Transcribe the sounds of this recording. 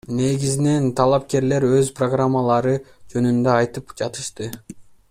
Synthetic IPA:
ne̞ɡʲizine̞nt̪ʰɑlˠɑp̚ke̞ɾle̞ɾøzproɡramːalˠɑɾɯd͡ʒø̞nynd̪øɑjt̪ɯpd͡ʒɑt̪ɯ̥ʃt̪ɯ

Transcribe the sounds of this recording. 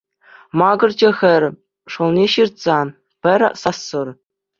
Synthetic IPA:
mɑɡɤ̆rd͡ʑɘ̆xʲɘ̆rʲ | ʂŏlˠnʲeɕirt̪sɑ | pʲɘ̆rʲsɑsːɤ̆r

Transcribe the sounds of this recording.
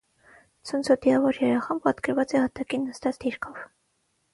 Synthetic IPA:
t͡sʰənt͡sʰɔd̪iɑvɔɾjɛɾɑχɑmpɑt̪kəɾvɑt͡sɛhɑt̪ɑkinːəst̪ɑt͡sd̪iɾkʰɔv

